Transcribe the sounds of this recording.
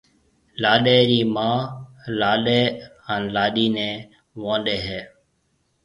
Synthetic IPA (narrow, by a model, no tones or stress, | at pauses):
laːɗeːɾiːmãːlaːɗeːənlaːɗiːnẽː | ʋãːɗeːɦeː